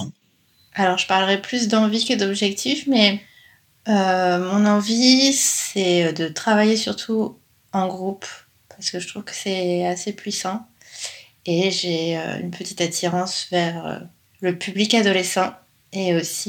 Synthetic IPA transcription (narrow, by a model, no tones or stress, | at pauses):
alɔʁʒəpaʁləʁɛplys̬d̪ɑ̃vikəd̪ɔbʒɛk̚t̪ʰifmɛ | ømɔ̃nɑ̃visɛd̪ət̪χavajesyʁt̪ʰu | ɑ̃ɡʁup | paʁsə̥kəʒət̪χuvkə̥sɛasepʰɥisɑ̃ | eʒeø̰y̰npʰət̪i̥t̪at̪ʰiʁɑ̃svɛʁø̰ | ləpʰyblikad̪ɔlesɑ̃ | eosi